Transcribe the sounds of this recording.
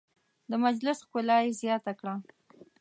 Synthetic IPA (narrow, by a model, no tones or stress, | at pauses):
d̪əmad͡ʒlɪsxkʊlɑjezjɑt̪akɽa